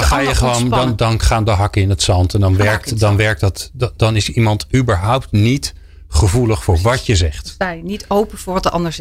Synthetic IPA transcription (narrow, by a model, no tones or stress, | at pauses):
χaːjəχəʋowndɑndɑnχaːndəɦɑkəɪnətsɑntɛndɑnʋɛɹk̚tdɑnʋɛɹk̚tdɑtdɑnɪsimɑntybəɹɦʌwp̚tnit | χəvuləχfʊːɹʋɑcjəzɛχtajnitowpəvʊːɹʋɑtdəʔɑndəɹs